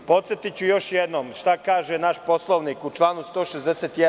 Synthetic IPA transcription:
po̞t̪set̪it͡ɕujo̞ʃjed̪noːmʃt̪akaːʒenaʃpo̞slˠoʋniːkut͡ʃlˠaːnust̪o̞ːʃezd̪eset̪jɛ

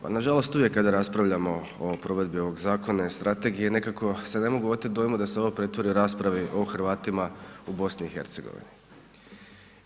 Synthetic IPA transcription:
pa̰naʒalˠo̞st̪uʋje̞kːad̪aɾaspɾaʋʎamo̞ | opɾo̞ʋe̞d̪bio̞ʋo̞ɡzaːko̞naist̪ɾʔat̪e̞ɡije̞ne̞kako̞se̞ne̞mo̞ɡuot̪id̪ojmud̪ase̞o̞ʋopɾe̞t̪ʋo̞ɾiuɾaːspɾaʋiʔo̞xɾ̩ʋaːt̪imaubo̞sniːxe̞̰ɾt̪se̞ɡo̰ʋḭnḭ

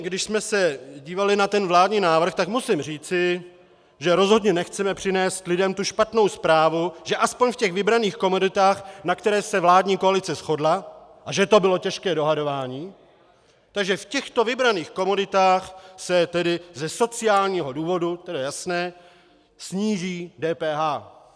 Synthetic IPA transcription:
ɡdɪʃsmɛsɛɟiːvalɪnat̪ɛnvlaːdɲiːnaːvr̩xt̪akmusɪmr̝iːt͡sɪ | ʒɛɾo̞zɦo̞dɲɛnɛxt͡sɛmɛpr̝̥ɪnɛːst̪lɪdɛmt̪uʃpat̪no̞wspɾaːvuʒɛʔaspo̞ɲfcɛɣvɪbɾaniːxko̞modɪt̪aːxnakt̪ɛɾɛːsɛvlaːdɲiːko̞alɪt͡sɛsxo̞dla | ʔaʒɛt̪o̞bɪlo̞cɛʃkɛːdo̞ɦado̞vaːɲiː | t̪aɡʒɛfcɛxt̪o̞vɪbɾaniːxko̞modɪt̪aːxsɛt̪ɛdɪzɛso̞t͡sɪaːlɲiːɦo̞duːvo̞dut̪ɛdajasnɛː | sɲiːʒiːdɛːpɛːɦaː

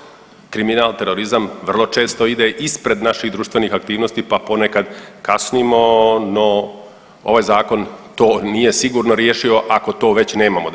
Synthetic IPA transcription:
kɾiminaːlt̪e̞ɾo̞ɾizamʋr̩lˠo̞t͡ʃe̞ːst̪o̞id̪eʔispɾe̞d̪naʃid̪ɾuːʃt̪ʋe̞nixak̚t̪iːʋnost̪ipapo̞nekad̪kasnimo̞no̞ | oʋaːjzaːko̞nt̪o̞ːnije̞siɡuːɾnoɾjeːʃio̞ʔako̞t̪o̞ːʋe̞t͡ɕne̞ːmamo

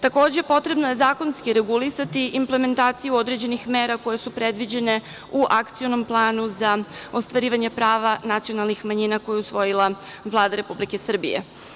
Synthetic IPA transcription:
t̪ako̞ːd͡ʑe̞po̞t̪ɾe̞bnoje̞zaːko̞nskiɾe̞ɡulisat̪iʔimple̞me̞nt̪aːt̪sijuo̞d̪ɾe̞d͡ʑe̞nixme̞ːɾako̞je̞supɾe̞d̪ʋid͡ʑe̞ne̞ | uʔakt̪sijo̞no̞mplˠaːnuzaost̪ʋaɾiːʋaɲepɾaːʋanat̪sionalˠnixmaɲinako̞jeusʋo̞jilˠa | ʋlˠaːd̪aɾe̞publike̞sr̩bḭjḛ

